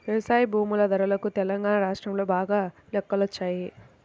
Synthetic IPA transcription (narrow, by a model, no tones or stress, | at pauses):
ʋɐʋɐsaːjbʱuːmulɐd̪ʱɐɾɐlɐkut̪ɛlɐŋɡaːnaɾaːʂʈɾɐmlo̞ːbaːɡaːlɛkːɐlot͡ʃːaːji